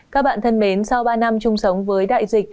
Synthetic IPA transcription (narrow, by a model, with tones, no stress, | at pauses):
kaː˦˥k̚ɓa̰ː˧˨nt̪ʰə˧nɓe˨˦nsa˧wɓaː˧na˧mt͡ɕʊ˧ŋ͡msə˨˦wŋ͡mvəː˨˦jɗa̰ː˧˨jzï˨˩k̚